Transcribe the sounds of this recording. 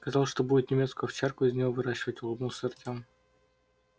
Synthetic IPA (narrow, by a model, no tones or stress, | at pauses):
skɐzɑlˠʂt̪o̞budʲɪt̪nʲɪmʲe̞t̪skʊjʊft͡ɕarkʊɪzʲnʲɪvovɨɾaɕːɪvətʲlˠnusɨrt̪ʲam